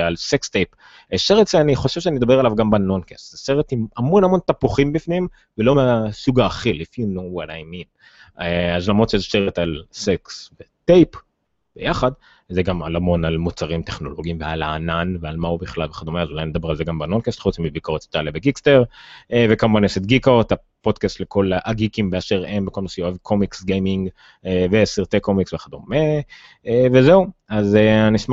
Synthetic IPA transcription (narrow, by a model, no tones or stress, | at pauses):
alsekst̪ejp | eʃeʁet̪z̥eaniχo̞ʃev̥ʃ̬eanied̪abeʁalavɡambano̞nkast̪zeseʁet̪imamo̞nhamo̞nt̪apuχimbifnim | velo̞measuɡaːχilifinowadajmin | eazlamʁot̪t͡ʃezeʃeʁet̪alseksbet̪ejp | b̥ḛjaχad̪ | zeɡama̰lamo̞nalmut͡saʁimt̪eχno̞̰lo̞ɡiimvealaːnanvealmaubiχlalbeχad̪omeazulajned̪abeʁalzeɡambanonkast̪χut͡smibikoʁet̪t̪alebeɡiksteʁevekamuvaneset̪̚ɡikot̪a | po̞d̪kast̪lekʰo̞laʔaɡikimbeaʃeʁembeko̞lnosioevkʰomiksɡejmiŋɡ | evesiʁt̪ekomiksveχad̪ome | vezeuazeaniʃma